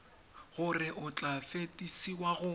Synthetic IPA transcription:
ɣʊrɪʔʊt͡ɬʼafetʼisiwaɣʊ

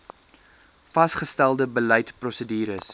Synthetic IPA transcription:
fɐsχəstælˠdəbəlɛjtprɔsədiːɾəs

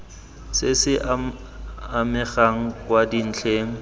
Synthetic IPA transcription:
sɪsɪ | amɪχaŋ̩kwadin̩t͡ɬʰeːŋ̩

